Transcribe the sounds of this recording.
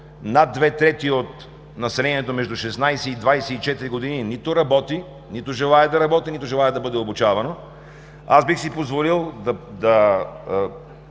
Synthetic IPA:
nad̪ːvɛt̪ɾɛt̪iot̪ | nɐsɛlɛniɛt̪omɛʒd̪ʊʃɛsnajsɛid̪vajsɛit͡ʃɛt̪iɾiɡod̪ininit̪ʊɾɐbɔt̪i | nit̪ʊʒɛlˠaɛd̪ɐɾɐbɔt̪init̪ʊʒɛlˠaɛd̪ɐbɤd̪ɛobʊt͡ʃavɐno | asbixsipozvolilˠd̪ɐd̪ɐ

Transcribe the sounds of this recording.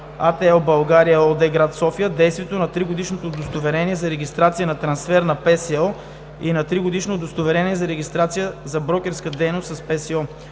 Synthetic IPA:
at̪ɛɔlbɐlˠɡaɾijəɔd̪ɛɡɾat̪sɔfijəd̪ɛjst̪viɛt̪onɐt̪ɾiɡod̪iʃnot̪od̪ost̪ovɛɾɛniɛzɐɾɛɡ̟ʲist̪ɾat̪sijənɐt̪ɾɐnsfɛɾnɐpɛsɛɔ | inɐt̪ɾiɡod̪iʃnod̪ost̪ovɛɾɛniɛzɐɾɛɡʲist̪ɾat̪sijəzɐbɾɔkʲɛɾskəd̪ɛjnost̪sɐspɛsɛɔ

